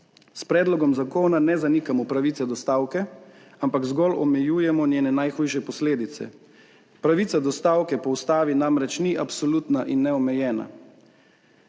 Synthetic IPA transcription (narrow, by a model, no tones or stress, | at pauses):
spɾɛːd̪lɔɡɔmzakoːnanɛzanikamɔpɾaʋiːt̪ɛd̪ɔst̪aːwkɛ | ampakzɡɔlɔ̰mɛjuːjɛmɔnʲjeːnɛnajxuːjʃɛpɔsleːd̪it̪sɛ̰ | pɾaʋit̪sad̪ɔst̪aːwkɛpɔwst̪aːʋinamɾɛt͡ʃniʔapsɔluːt̪naʔinːɛɔmɛjɛːna̰